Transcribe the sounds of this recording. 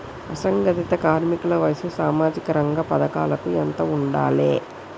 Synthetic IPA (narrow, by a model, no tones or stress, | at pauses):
ɐsɐŋɡɐt̪it̪ɐkaːɾmikulɐʋɐjsusaːmaːd͡ʒikɐɾɐŋɡɐpɐd̪ɐkaːlɐkuent̪ɐuɳɖa̰ːleː